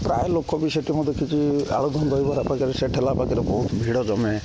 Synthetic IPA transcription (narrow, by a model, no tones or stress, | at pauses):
pɾa̰jlokʰːɔbiseʈimɔd̪ʱːekʰit͡ʃia̰ɭud̪ʱɔnɡɔjbɔɾapakiɾɛseʈʰelapakiɾɔbɔɦut̪bʱiɽɔd͡ʒɔmɛ